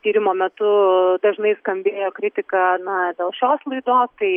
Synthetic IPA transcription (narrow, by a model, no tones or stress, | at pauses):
t̪ʲiːɾʲɪmoːmʲɛt̪ʊd̪ɐʒnɐɪskɐmʲbʲeːjoːkɾʲɪt̪ʲɪkɐnɐd̪ʲɛlˠʃʲoːslˠɐɪd̪oːst̪ɐɪ